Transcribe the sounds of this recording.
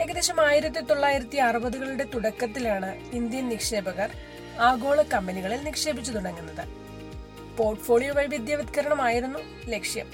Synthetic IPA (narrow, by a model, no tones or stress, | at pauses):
e̞ɣɐd̪eɕɐmaːjiɾɐt̪̬ːit̪o̞ɭːaːjiɾɐt̪ːiɐrɨbɐðuɣɐɭuɽe̞t̪uɽɐkːɐt̪̬ːilaːɳɨind̪jɐnnikʂe̞ːbɐɣɐr | aːɡo̞ːɭɐkːɐmbɐniɣɐɭilnikʂe̞ːbit͡ɕːɐt̪uɽɐŋːunːɐðɨ̰ | po̞ːrʈfʰo̞ːɭijoʋɐjbid̪jaːʋɐd̪kɐɾɐɳɐmaːjiɾunːu | le̞kʂjɐ̰m